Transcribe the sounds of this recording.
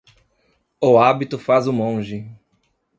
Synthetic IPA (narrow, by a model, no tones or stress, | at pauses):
oabit̪ʊfazʊmõʒɪ